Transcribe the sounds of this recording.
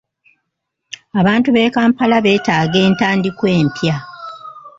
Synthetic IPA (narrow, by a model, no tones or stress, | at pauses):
aβaːntuβe̞ːkaːmpalaβe̞ːtaːɡe̞ːntaːndikwe̞ːmpja